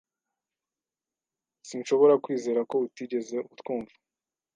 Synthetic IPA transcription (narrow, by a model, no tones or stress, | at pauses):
siːnʃo̞βo̞ɾakwiːze̞ːɾako̞utiɟe̞ze̞uutkuːɱvu